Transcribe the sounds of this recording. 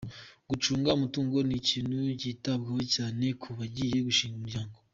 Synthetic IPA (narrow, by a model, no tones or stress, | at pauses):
ɡ̥ut͡ʃuːŋɡaumutuːŋɡo̞niciːnhuɟiːtabɡehocaːne̞kʰuβaɟiːje̞ɡuʃiːŋɡumuɾɟaːŋɡo